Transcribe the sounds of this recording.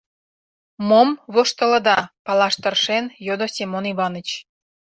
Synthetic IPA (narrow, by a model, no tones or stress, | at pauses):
momβoʃt̪ə̆lə̆d̪ɑpɑlɑʃt̪ərʃenjod̪osʲemoniβɑnə̆t͡ɕ